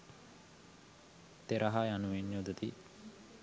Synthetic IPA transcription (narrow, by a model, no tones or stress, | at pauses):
t̪eɾaɦajanuʋenːod̪ɐt̪i